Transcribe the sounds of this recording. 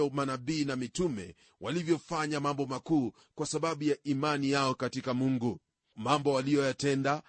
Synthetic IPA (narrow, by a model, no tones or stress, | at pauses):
ɔmanaɓiːnamitumɛ̰ | wʔalivjɔfaɲamambɔmakuː | kwasaɓaɓujaʔimanijaɔkatikamuŋɡu | mambɔwalijɔjatɛnda